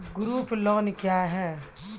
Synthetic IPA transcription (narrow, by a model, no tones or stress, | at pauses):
ɡʊɾuːplɔːnkjaːɦɛː